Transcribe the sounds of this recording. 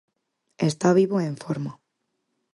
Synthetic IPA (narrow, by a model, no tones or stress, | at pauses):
est̪aβ̞iβoẽɱfoɾma